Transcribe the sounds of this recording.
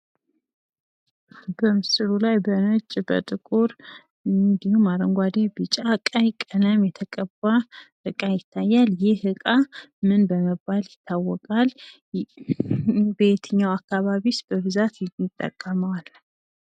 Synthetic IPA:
bəmɨsɨlulajbənɨt͡ʃʼbə̰t̪ʼɨkʼuɾ | nd̪ihumaɾəŋɡʷad̪ebɨt͡ʃʼakʼajkʼənəmjɛt̪ʰəkʼəbːahɨkʼajɪt̪ʰːajːaljɪhɨkʼamɨnbəməbːaljɪt̪ʰːawːɔkʼal | bet̪ʰɨɲːawakːaβaβisb̥əβɨzat̪mːɪt̪ʼːə̰kʼːəməwal

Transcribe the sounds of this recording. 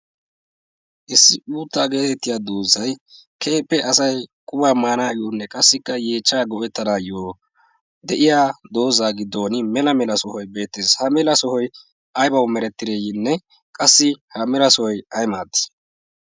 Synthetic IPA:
ʔɪsːɪʔuːt̪ːaːɡe̞ːt̪ɛt̪ːɪjaːd̪uːzɐj | kʰe̞ːpːɛʔɐsɐjkʼʊbaːmaːnaːjuːnːɛkʼɐsːɪkːɐjeːt͡ʃːaːɡɔʔɛt̪ːɐnaːjoː | d̪ɛʔɪjaːd̪o̞ːzaːɡɪd̪ːo̞ːnɪmɛlɐmɛlɐsɔhɔjbe̞ːt̪ːeːshɐmɛlɐsɔhɔj | ʔɐjbɐwmɛɾɛt̪ːɪd̪ejɪnːɛ | kʼɐsːɪhɐmɛlɐsɔɔjɐjmaːt̪ːɪ̥

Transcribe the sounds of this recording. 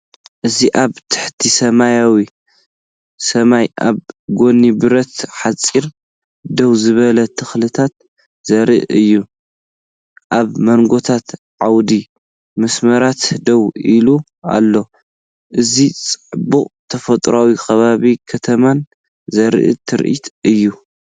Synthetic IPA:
ʔɨziʔaβt̪ʰɨ̥ħt̪ʰisɐmajawi | sɐmajʔa̰βɡo̞nibɨɾɐt̪ħat͡sʼːiɾ | d̪owzɨβɐlɐt̪ʰɨxlɨt̪ʰat̪̚ | zɐɾḭʔɨjːu | ʔaβmɐnɡo̞t̪ʰat̪ | ʕawd̪i | mɨsmɐɾat̪d̪ɐwilu | a̰lːo̞ | ʔɨzit͡sʼɨħbukʼt̪ʰɐfɐt̪ʼɾawikʰɐβaβikʰɐt̪ʰɐman | zɐɾ̰ʔɨ̰t̪ʰɨɾʔḭt̪ɨjːu

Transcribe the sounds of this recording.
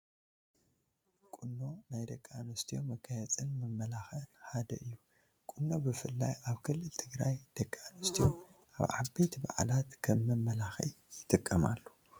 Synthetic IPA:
kʼunːo̞najd̪ɐkʼːanust̪ʰiomɐɡajɐt͡sʼɨnmɨmːɐlaxɨlħad̪ɐ̰ʔɨjːu | kʼɨnːo̞bɨfɨlːa̰jaβkʰɨlːɨlt̪ʰɨɡɾajd̪̥ɐkʼːanɨst̪ʰijomʔaβʕabe̞t̪ba̰ʕ̰lat̪kʰɐmːɨmːɐlaxḭ | jɪt̪ʼɨkʼːɐma̰lːo

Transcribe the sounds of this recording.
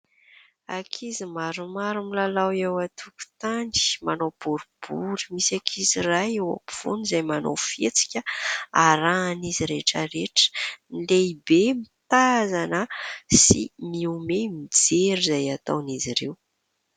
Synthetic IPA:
akʰizimaɾumaɾumilalawewat̪ʰuku̥t̪aɳɖ͡ʐi̥manob̥uɾub̥uɾimisakʰizirajewa̰piv̥unizajmano̰fet͡si̥kʲəaɾaniziɾeʈ͡ʂəɾeʈ͡ʂə̥nleibemit̪azanəsḭmiumemid͡zeɾizajat̪a̰wniziɾew

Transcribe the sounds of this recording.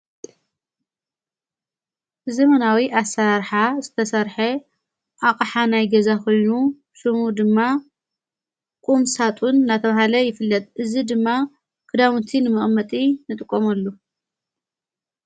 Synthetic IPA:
zɐmɐnawiʔasɐɾaɾħazɨt̪ʰɐsɐɾħe | ʔaqʼħanajɡɐzakʰo̞jnu | sɨmud̪ɨmːa | kʼumsat̪ʼunːat̪ʰɐβahalɐjɪfɨlːɐt̪ʼʔɨzid̪ɨmːa | kʰɨd̪amɨnt̪ʰinɨmɨχʼmːɐt̪ʼinɨt̪ʼɨkʼːomɐlːu

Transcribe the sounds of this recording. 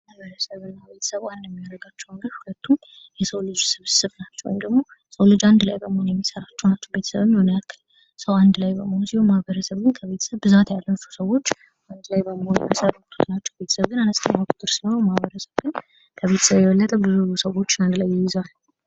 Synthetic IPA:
mmahβəɾəsəβɨnːaβe̞t̪ʰə̥səβwand̪jɛmːiaɾəɡat͡ʃːɛwəŋɡəɾhulət̪ʰːum | jɛsəwlɨd͡ʒsɨβsɨβnat͡ʃːɛw̰jmd̪əɡmo̞ | səwlɨd͡ʒand̪lajbəmohonjɛmːisəɾat͡ʃːɛwnat͡ʃːɛwbe̞t̪ʰsəβɨɲːonjalkʰɨ | səwand̪lajbəmohonusihommahbəɾəsəβɡɨnkʰəβe̞t̪ʰə̥səβbɨzat̪jalːət͡ʃːu̥səwo̞t͡ʃː | ʔand̪lajbəmohonɛmsəɾukt̪ʰt̪nat͡ʃːɛwbet̪ʰə̥səβɡɨnanəst̪ʰʼɨmːakʼu̥t̪ʼɨɾsihonwmahβəɾəsəβɡɨn | kʰəβe̞t̪ʰə̥səβjɛwɔlːət̪ʼəbɨzusəwo̞t͡ʃːand̪lajːɪjɪzalː

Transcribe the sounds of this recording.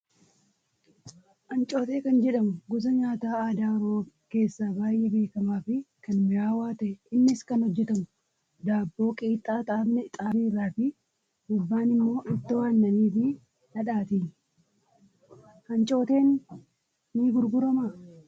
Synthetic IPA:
ʔɐnt͡ʃʼo̞ːt̪e̞ːkɐnd͡ʒɛᶑɐmʊɡʊzɐɲaːt̪aːaːd̪aːɾoːke̞ːsːaːbaːjɛbe̞ːkɐmaːfɪkɐnmɪɾaːwaːt̪ɐʔɛɪnːɪskɐnhɔd͡ʒːɛt̪ɐmʊ | d̪aːbːo̞ːkʼiːt̪ʼːaːt̪ʼaːbnɛt̪ʼaːbiːrːaːfɪ | ɡʊbːaːnɪmːo̞ːʔɪt̪ːɐwaːnːɐniːfɪ | nɐᶑaːt̪iː | hɐnt͡ʃʼo̞ːt̪e̞ːnː | iːɡʊɾɡʊɾɐma

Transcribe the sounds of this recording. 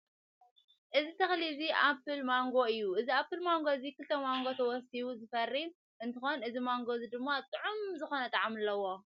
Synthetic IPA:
ʔɨzit̪ʰɐxliziʔapʰːɨlmaŋɡo̞ɨjːuʔɨziapʰːɨlmaŋɡo̞zikɨlt̪ʰɐmaŋɡo̞t̪ʰɐwɔsiβuzɨfɐrːim | ʔɨnt̪ʰɨxo̞nʔɨzimaŋɡo̞zid̪ɨmːat̪ʼɨʕumzɨxo̞nɐt̪ʼaʕamɨlːɐwːo̞

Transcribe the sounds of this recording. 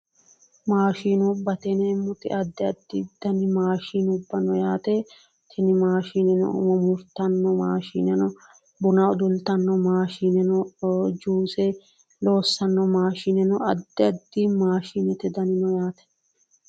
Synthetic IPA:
maːʃiːnɔbːɐt̪ɛnɛːmːʊt̪ɪ̰ʔɐd̪ːɪɐd̪ːɪd̪̥ɐnɪmaːʃiːnʊbːɐnɔjaːt̪ɛ | t̪ʰɛnɪmaːʃiːnɛnɔ̰ʊ̰mɔmʊɾt̪ɐnːɔma̰ːʃḭːnɛnɔ | bʊnɐʊd̪ʊlt̪ɐnːɔmaːʃinɛnɔd͡ʒuːsɛ | lo̞ːsːɐnːɔmaːʃinɛnɔɐd̪ːɪɐd̪ːɪmaːʃiːnɛt̪ɛd̪ɐnɪnɔjaːt̪ɛ̥

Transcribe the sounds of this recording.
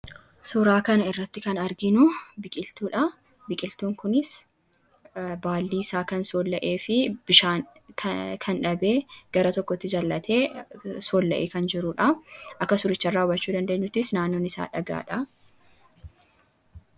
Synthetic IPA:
sʊɾaːkɐnɐɪrːɐt̪ːɪkɐnɐɾɡɪnʊbɪkʼɪlt̪uːᶑɐ | bɪkʼɪlt̪uːŋkʊnɪs | baːlːiːɪsaːkɐnsoːlːɐʔe̞ːfɪb̥ɪʃaːnkʰkʰɐnᶑɐbe̞ːɡ̥ɐɾɐt̪ɔkːɔt̪ːɪd͡ʒɐlːɐt̪ʰe̞ːsoːlːɐʔḛːkɐnd͡ʒɪɾuːᶑɐʔɐkːɐsʊɾɪt͡ʃːɐrːaːʊbɐt͡ʃːuːd̪ɐnd̪eːɲːʊt̪ːɪsnaːnːoːnɪsa̰ːᶑɐɡa̰ːᶑɐ

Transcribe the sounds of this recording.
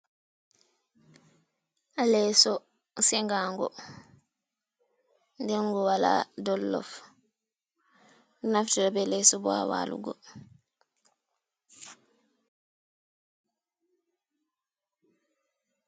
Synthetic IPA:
alɛsɔ | sɛŋɡaːŋɡɔ̰ | ndɛŋɡɔwala̰dɔlːɔ̰f | naftiɾabɛlɛsɔbɔa̰wa̰lṵɡɔ

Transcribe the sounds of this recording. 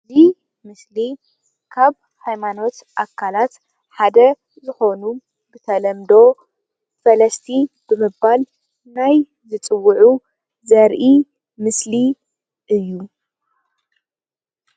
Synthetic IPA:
zi | mɨsli | kʰaβ | hajmano̞t̪ʔakʰːalat̪ | ħad̪ɐ | zɨxo̞nu | bɨt̪ʰɐlɐmd̪o̞ | fɐlɐst̪ʰib̥ɨmɨbbal | naj | zɨt͡sʼɨwːɨʕu | zɐɾʔi | mɨsli | ʔɨjːu

